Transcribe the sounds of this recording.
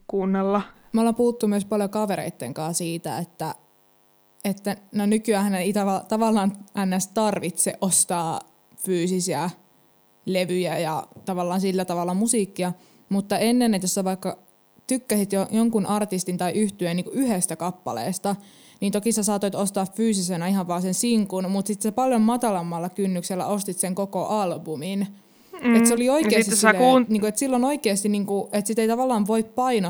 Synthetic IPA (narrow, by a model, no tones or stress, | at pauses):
kuːnːelːɑ | molːɑmpuhut̪ːumyøspɑljokɑʋeɾḛit̪ːeŋkɑːsiːt̪æ̰et̪ːæ | et̪ːænonykyæhæneit̪æʋɑt̪ɑʋɑlːɑːnʔænːæst̪ɑrʋit̪sḛʔʔost̪ɑː | fyːsisiæ | leʋyjæjɑt̪ɑʋɑlːɑːnsilːæt̪ɑʋɑlːɑmusiːkːiɑ | mut̪ːɑenːenːet̪josːɑʋɑikːɑ | t̪ykːæsit̪jojoŋkunʔɑrt̪ist̪int̪ɑiʔyht̪yeniːŋkuʔyhest̪ækɑpːɑ̰lḛˑːst̪ɑ | niːnt̪okisɑsɑːt̪oit̪ost̪ɑːffyːsisenæihɑʋʋɑːsensiŋkunmut̪sit̪sepɑljommɑt̪ɑlɑmːɑlːɑkynːykselːæ̰ost̪it̪seŋkokoʔɑlbumin | et̪seolioikeːsisuniːkuet̪silːonoikeːst̪inniːŋkuʔet̪sit̪eit̪ɑʋɑlːɑːnʋoippɑino